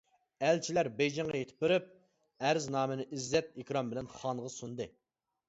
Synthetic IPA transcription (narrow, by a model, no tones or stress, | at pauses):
ælt͡ʃʰilæɾbejd͡ʒɛŋʁɑjet̪ʰɪ̥p̚ːɪɾɪp̚ | æɾznɑːmɪnɪʔizːɛt̪̚ekʲɾɑmbɪlɛnχɑnʁɑsund̪ɨ